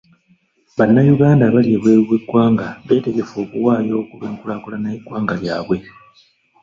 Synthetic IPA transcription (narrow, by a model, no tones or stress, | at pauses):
βanːajuɡaːndaβalieβweːβiβwe̞ɡwaːŋɡaβe̞ːte̞ɡe̞fo̞ːkuwaːjo̞ːkuβeːŋkulakolanajiɡwaːŋɡaja̰ːβwe̞